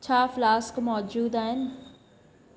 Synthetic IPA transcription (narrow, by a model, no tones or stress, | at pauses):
t͡ʃʰaːflaːskmɔːd͡ʒuːd̪aːɦɪn